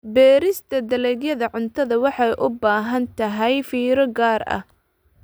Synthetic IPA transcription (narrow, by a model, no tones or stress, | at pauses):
bɛːɾɪst̪ʰɐd̪ɐlɛɣjɐðɐʕʊnt̪ʰɐðɐwɑħɑjʔʊbaːɦɐnt̪ʰɐɦɛjfiːɾɔɡaːrɐ̰h